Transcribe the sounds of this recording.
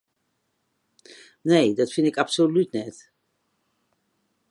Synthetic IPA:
neːdɔtfɪndɪkapsolytnɛt

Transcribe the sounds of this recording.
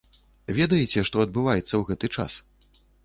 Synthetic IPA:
vʲɛd̪ɐjɛt͡sʲɛʂt̪ɔɐd̪̚bɨvajɛt̪sːɐwɣɛt̪ɨt͡ʂa̰s

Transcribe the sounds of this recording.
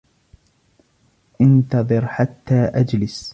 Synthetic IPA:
ʔɪnt̪ɑðˤɨɾħat̪ːaːʔad͡ʒlɪs

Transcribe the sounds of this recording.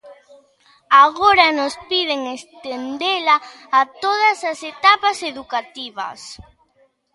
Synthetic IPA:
aɣoɾɐnʊspiðeŋest̪end̪elaː | t̪oðɐsɐset̪apɐseðukat̪iβɐ̰s

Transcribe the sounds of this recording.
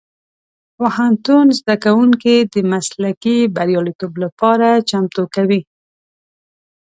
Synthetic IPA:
wahant̪unzd̪akawuŋkid̪əmaslakibaɾjɑlit̪oblapɑɾat͡ʃamt̪okawi

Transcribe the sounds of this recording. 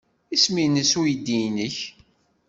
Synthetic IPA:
isminəsujid̪ːinəç

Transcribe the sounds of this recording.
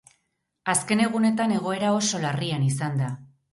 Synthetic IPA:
aske̞ne̞ɣ̞une̞t̪ane̞ɣ̞o̞e̞ɾao̞so̞larianisand̪a

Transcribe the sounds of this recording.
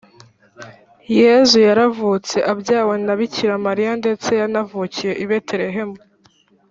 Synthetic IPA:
je̞zujaɾavut͡se̞ʔabjaːwenaβiciɾamaɾijande̞t͡se̞janavucije̞ʔiβe̞teɾe̞ɦe̞mu

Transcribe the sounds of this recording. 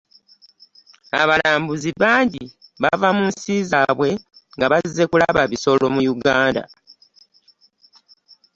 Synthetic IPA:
aβalaːmbuziβaːɲɟiβavamunsiːzaβwe̞ŋɡaβazize̞kulaβaβiso̞lo̞mujuɡaːnda̰

